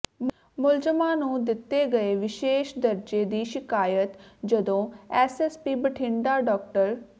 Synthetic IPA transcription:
mʊlzəmãːnũːd̪ɪt̪ːeːɡəeːʋɪʃeːʃd̪əɾd͡ʒeːd̪iːʃɪkaːjət̪d͡ʒəd̪õːɛːsɛːspiːbəʈʰɪ̃ɳɖ̪aːɖɔːk̚ʈəɾ

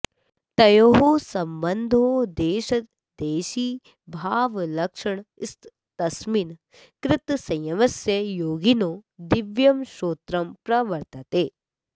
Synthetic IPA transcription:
t̪ɐjoɦoːsɐmbɐnd̪ʱoːd̪eːʃɐt̪ | d̪eːʃiː | bʱaːʋlɐkʂɐɳɪst̪ | t̪ɐsmin | kɾɪt̪sɐ̃jɐmɐsjɐjoːɡinoːd̪ɪʋjɐmʃoːt̪ɾɐmpɾɐʋɐɾt̪ɐt̪eː

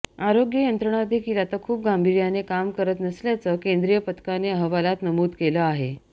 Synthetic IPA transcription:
aɾoɡjəjənt̪ɾəɳ̃ad̪ʱekiːlat̪akʰuːp̚ɡambʱiɾjanekamkəɾət̪nəsljat͡səkend̪ɾijəpət̪ʰə̥kaneəɦʋalat̪nəmuːd̪keləaɦe

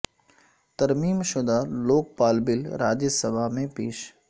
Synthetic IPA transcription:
t̪ɐɾmiːmʃʊd̪aloːk̚paːlbɪlɾaːd͡ʒəsɐbʱamẽpeːʃ

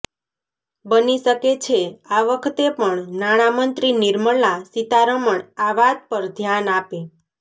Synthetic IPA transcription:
bəniʃəket͡ʃʰeaʋəkʰət̪epəɳnaɽ̃amənt̪ɾiniɾməɭasit̪aɾəməɳaʋad̪̚pəɾd̪ʱjanape

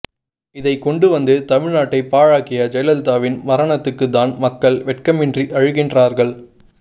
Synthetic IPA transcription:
ɪðɐɪkɔɳɖɯʋɐnd̪ɯt̪ɐmɪɻnaːʈːɐɪpːaːɻaːkɪjɐd͡ʒɐjlɐlt̪aːʋɪnmɐɾɐɳɐt̪ːɯkːɯt̪̬ːaːnmɐkːɐɭʋɛʈ̚kɐmɪndriʔɐɻɯɣɪndraːɾɣɐɭ

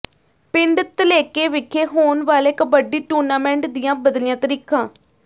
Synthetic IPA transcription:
pɪɳɖt̪əleːkeːʋɪkʰːeːɦoːnʋaːlɪkbəɖiːʈuːɾnaːmɛ̃ːɳʈd̪ɪjãːbəd̪lɪjãːt̪əɾiːkãː

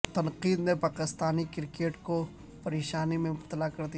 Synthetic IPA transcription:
t̪ɐnqiːd̪nepaːkɪst̪aːnikɪɾkeːʈko | pɐɾeːʃaːnimẽt̪ːɐlakɐɾd̪i

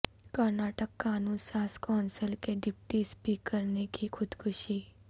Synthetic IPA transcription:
kəɾnaːʈəkːaːnũːnsaːskɔːnsəlkeɖɪpʈispiːkːəɾnekixʰʊd̪kʰʊʃiː

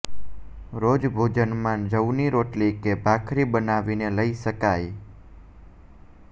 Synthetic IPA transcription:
ɾod͡ʒbʱod͡ʒənmãd͡ʒəwniɾoʈlikebʱakʰɾibənaʋineləiʃəkaj

